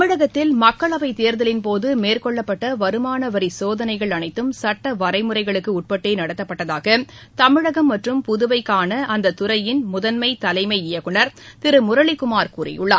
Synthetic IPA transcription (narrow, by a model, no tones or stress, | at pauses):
mɪɻɐɣɐt̪ːɪlmɐkːɐɭɐʋɐɪt̪eːɾðɐlɪnpoːðɯmeːrkɔɭːɐpːɐʈːɐʋɐɾɯmaːnɐʋɐɾisoːðɐnɐɪɣɐɭɐnɐɪt̪ːɯmsɐʈːɐʋɐɾɐɪmɯrɐɪɣɐɭɯkːɯʊʈ̚pɐʈːeːnɐɽɐt̪ːɐpːɐʈːɐðaːɣɐ | t̪ɐmɪɻɐɣɐmːɐʈrɯmpʊðɯʋɐɪkːaːnɐʔɐnd̪ɐt̪ʊɾɐjɪnmʊðɐnmɐɪt̪ɐlɐɪmɐɪɪjɐkːɯɳɐɾt̪ɪɾɯmʊɾɐɭɪkʊmaːɾkuːrɐ̰jʊɭːɐ